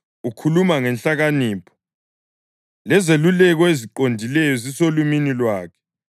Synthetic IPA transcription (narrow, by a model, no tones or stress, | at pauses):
ukʰulumaŋɛnɬaɣaniːpʰɔ̥ | lɛzelulɛɣ̬ɔeziǃondʱilɛjɔzisoluminilwaːkʰɛ̥